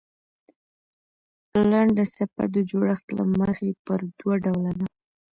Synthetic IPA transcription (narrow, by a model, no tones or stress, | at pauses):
laɳɖasapa̰d̪əd͡ʒoɽəxt̪la̰məxepəɾd̪waɖawlad̪a